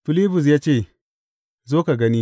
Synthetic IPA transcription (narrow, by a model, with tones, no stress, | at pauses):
fi˨li˦bu˨s̬ja˦t͡ʃe˦˨ | zo˦ka˨ɡa˦ni˦